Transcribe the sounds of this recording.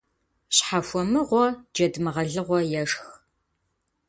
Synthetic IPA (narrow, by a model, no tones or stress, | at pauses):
ɕħafʷɔmɨʁʷɔd͡ʒɐdmɨʁɐɮɨʁʷɔjɛʂx